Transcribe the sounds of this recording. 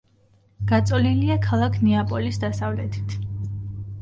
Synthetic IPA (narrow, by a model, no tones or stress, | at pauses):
ɡ̥at̪sʼɔliliakʰalˠakʰnɛapʼɔlisd̪asavlɛt̪ʰi̥t̪ʰ